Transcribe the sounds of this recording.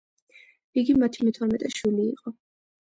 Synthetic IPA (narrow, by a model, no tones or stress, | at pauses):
iɡimat̪ʰimɛt̪ʰɔɾmɛt̪ʼɛʃwilḭːqʼɔ